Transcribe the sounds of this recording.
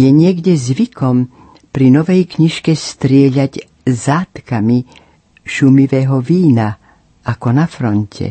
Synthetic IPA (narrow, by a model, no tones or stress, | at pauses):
jɛɲɪɛɡɟɛzʋikɔm | pɾinɔʋɛjkɲiʃkɛst̪ɾɪɛʎaɟ | zaːt̪kami | ʃumiʋɛːɦɔʋiːna | akɔnafɾɔncʰɛ̰